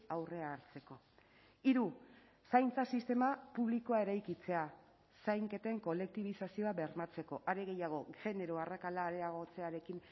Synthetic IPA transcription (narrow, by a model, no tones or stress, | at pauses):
awre̞aːɾt͡se̞ko̞ | iɾu | sajnt͡sasist̪e̞mapuβliko̞ae̞ɾajkit͡se̞a | sajŋke̞t̪e̞ŋko̞le̞k̚t̪iβ̞isasio̞aβe̞ɾnat͡se̞ko̞ʔaɾe̞ɣe̞jaɣ̞o̞ɣe̞ne̞ɾoarakalaːɾe̞aɣ̞o̞t͡se̞aɾe̞kin